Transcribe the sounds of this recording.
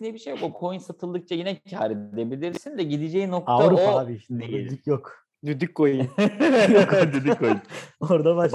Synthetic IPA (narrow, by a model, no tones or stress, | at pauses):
nɛbiʃejakokʰo̞jinsat̪ʰɯlˠd̪ɯk̚t͡ʃʰajinɛcʰaːɾidd̪ebilʲiɾsind̪ɛɟid̪id͡ʒɛino̞k̚t̪avɾupaaːbiʃind̪iyd̪ycjok | d̪yd̪yckojɯjkd̪yd̪ykʰːojɯnoɾd̪abaʃ